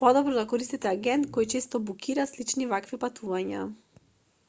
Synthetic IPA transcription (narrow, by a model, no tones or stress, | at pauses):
pɔd̪ɔbɾɔd̪akɔɾist̪it̪ɛaɡɛnt̪kɔjt͡ʃest̪ɔbukiɾaslit͡ʃnivakvipat̪uvaɲa